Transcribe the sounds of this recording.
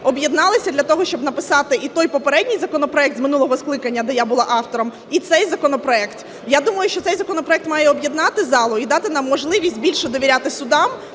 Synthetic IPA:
ɔbjɛd̪nɑlˠɪsʲɐd̪lʲɐt̪ɔɦɔʃt͡ʃɔbnɐpɪsɑt̪ɪʔit̪ɔjpɔpeɾɛdʲnʲijzɐkɔnɔpɾɔɛk̚t̪zmɪnulˠɔɦɔsklˠɪkɐnʲːɐd̪ɛjabʊlˠɑʔɑft̪ɔɾɔm | it̪sɛjzɐkɔnɔpɾɔɛkt̪ | jad̪umɐjʊʃt͡ʃɔt̪sɛjzɐkɔnɔpɾɔɛkt̪mɑjɛɔbjɛd̪nɑt̪ɪzɑlˠʊid̪ɑt̪ɪnɑmːɔʒlˠɪʋʲisʲtʲbʲilʲʃɛd̪ɔʋʲiɾʲat̪ɪsʊd̪ɑm

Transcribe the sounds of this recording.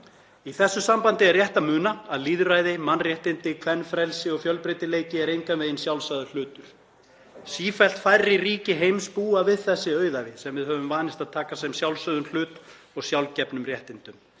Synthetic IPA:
iθɛsːʏsampant̪ɪɛɾrjɛht̪amʏːnaaðliːðʏrajðɪmanrjɛht̪ɪnt̪ɪkʰvɛnːfɾɛlsɪɔɣfjœlpɾejt̪ɪleːjcɪɛɾejŋkanveːjɪnsjawlsajðʏl̥ʏːt̪ʏɾ̥ | siːfɛl̥t̪fajrːɪriːcɪɦejmspuːavɪðθɛsːɪœːɥðavɪsɛmvɪðɦœvʏmvaːnɪst̪aðt̪ʰaːkasɛmsjawlsœðʏml̥ʏːt̪ | ɔɣsjawlcɛpnʏmrjɛht̪ɪnt̪ʏm

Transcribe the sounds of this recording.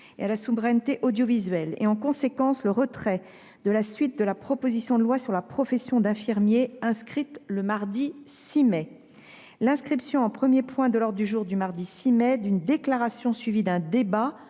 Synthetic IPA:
ḛalasuvʁɛnt̪eʔod̪jɔvizɥɛlḛɑ̃kɔ̃sekɑ̃sləʁət̪χɛ | d̪əlasɥit̪̚d̪əlapχɔpozisjɔ̃d̪əlwasyʁlapχɔfɛsjɔ̃d̪ɛ̃fiʁmjeɛ̃skχit̪ləmaʁd̪isimɛ | lɛ̃skχipsjɔ̃ɑ̃pχəmjepwɛ̃d̪əlɔʁd̪d̪yʒuʁd̪ymaʁd̪isimɛd̪ynd̪eklaʁasjɔ̃sɥivid̪ɛ̃d̪eba

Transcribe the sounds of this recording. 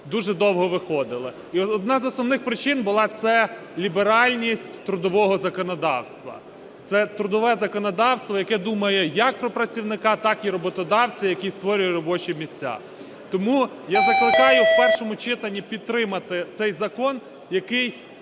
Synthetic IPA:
d̪uʒɛd̪ɔwɦɔʋɪxɔd̪ɪlˠɪ | iɔd̪̚nɑzɔsnɔwnɪxpɾɪt͡ʃɪnbʊlˠɑt̪sɛ | lʲibeɾɑlʲnʲisʲtʲt̪ɾʊd̪ɔʋɔɦɔzɐkɔnɔd̪ɑ̰wst̪ʋɐ̰ | t̪sɛt̪ɾʊd̪ɔʋɛzɐkɔnɔd̪ɑwst̪ʋɔjɐkɛd̪umɐjɛjɐk̚pɾɔpɾɐt͡sʲiwnɪkɑt̪ɑkiɾɔbɔt̪ɔd̪ɑwt͡sʲijɐkist̪ʋɔɾʲʊjɛɾɔbɔt͡ʃimʲisʲt͡sʲa̰ | t̪ɔmu | jazɐklˠɪkɑjʊwpɛrʃɔmʊt͡ʃɪt̪ɐnʲːipʲid̪̚t̪ɾɪmɐt̪ɪt̪sɛjzɐkɔn | jɐkɪj

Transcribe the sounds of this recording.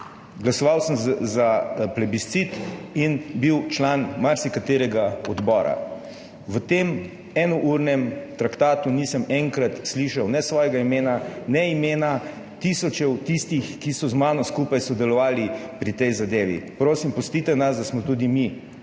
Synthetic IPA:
ɡlasɔʋawsəmzaplɛbist̪sit̪inbiwt͡ʃlaːnmaɾsikat̪eːɾɛɡaɔd̪bɔːɾa̰ | ʋət̪eːm | ɛnɔʔuɾnɛmt̪ɾakt̪aːt̪unisəmɛŋkɾat̪sliʃawnɛsʋɔjɛɡaimeːnanɛimeːna | t̪isɔt͡ʃɛwt̪ist̪ixkisɔzmaːnɔskuːpajsɔd̪ɛlɔʋaːlipɾit̪ɛjzad̪eːʋḭpɾoːsimpɔst̪it̪ɛnasd̪asmɔt̪uːd̪imi

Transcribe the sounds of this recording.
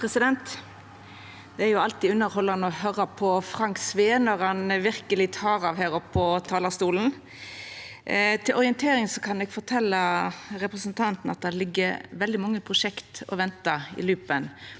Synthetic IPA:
pʰɾɛsɪd̪ɛnt̪ | d̪ɛæɾjʊɑlt̪iːʉnːəɾhɔlːɑnɔhøːɾəpʰɔfɾɑŋksʋeːnɔɾɑnʋɪɾkəlɪt̪ʰɑːɾɑʋɦæːɾɔpʰːɔt̪ʰɑːləst̪uːln̩ | t̪ʰɪlʔɔɾɪənt̪ʰeːɾɪŋsɔkʰɑnɛɡfɔɾt̪ʰɛlːəɾɛpʁɛsənt̪ʰɑnt̪n̩ɑt̪̚d̪æɾlɪɡːəʋɛld̪ɪmɑŋːəpʰʁʊʂɛkt̪ɔ̰ʋɛnt̪ɑɪ̰lʉːpən

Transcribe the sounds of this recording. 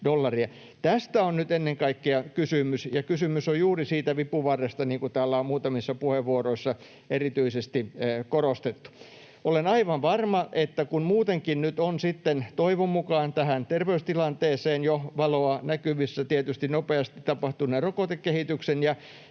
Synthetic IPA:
dolːɑriɑ | t̪æst̪æonnyt̪enːeŋkɑikːeɑkysymysjɑkysymysojjuːrisiːt̪æʋipuʋɑrːest̪ɑniːŋkut̪æːlːæommuːt̪ɑmisːɑpuheʋʋuoroisːɑ | erit̪yisest̪ikorost̪et̪ːu̥ | olenɑiʋɑʋʋɑrmɑʔet̪ːækunmuːt̪eŋkinnyt̪onsit̪ːent̪oiʋommukɑːnt̪æhænt̪erʋeust̪ilɑnt̪eːseːnjoʋɑloɑnækyʋisːæt̪iet̪yst̪innopeɑst̪i̥t̪t̪ɑpɑht̪uneːrokot̪ekːehit̪yksenjɑ

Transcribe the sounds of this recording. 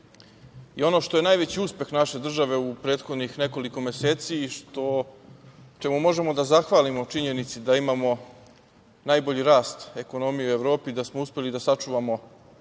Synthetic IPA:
io̞no̞ʃt̪o̞je̞najʋe̞t͡ɕiuspe̞xnaʃe̞d̪r̩ʒaʋe̞upɾe̞ːd̪xod̪nixne̞ko̞liko̞mese̞ːt̪siʃt̪o̞ | t͡ʃemumo̞ʒe̞mo̞d̪azaxʋaːlimo̞t͡ʃiɲe̞nit̪sid̪aimamo̞ | najbo̞ʎiɾaːst̪e̞ko̞no̞mijeue̞ʋɾoːpid̪asmouspe̞lid̪asat͡ʂuʋamo̞

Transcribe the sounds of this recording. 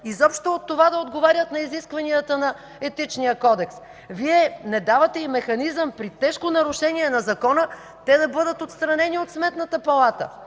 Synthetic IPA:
izɔpʃt̪oːt̪ːovad̪ɐod̪ɡovaɾʲət̪nɐiziskvɐniət̪ənɐ | ɛt̪it͡ʃnijəkɔd̪ɛks | viɛnɛd̪avɐt̪ɛimɛxɐnizəmpɾit̪ɛʃkonɐɾʊʃɛniɛnɐzɐkɔnə | t̪ɛd̪ɐbɤd̪ət̪ot̪st̪ɾɐnɛniot̪smɛt̪nɐt̪əpɐlˠat̪ə̰

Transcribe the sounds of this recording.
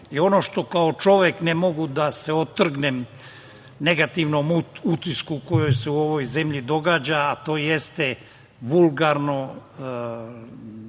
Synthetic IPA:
io̞no̞ʃt̪o̞kao̞t͡ʃo̞ʋeknemo̞ɡud̪ase̞o̞t̪ːr̩ɡnem | ne̞ɡat̪iʋnomut̪iskuko̞jo̞jse̞uo̞ʋo̞jze̞mʎid̪o̞ɡaːd͡ʑaːt̪o̞ːje̞st̪e | ʋulɡaɾno̞

